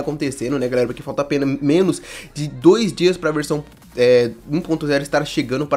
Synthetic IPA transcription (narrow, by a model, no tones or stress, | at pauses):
kõnt̪esẽnd̪ʊnɛɡalɛɾɐpʊɾkɪfawt̪ɐapẽnɐmẽnʊsd͡ʒɪd̪ojzd͡ʒiɐspɾɐveɾsɐ̃w̃ | ɛũpõnt̪ʊzɛɾʊɪst̪aɾʃeɡɐ̃nd̪ʊpɾ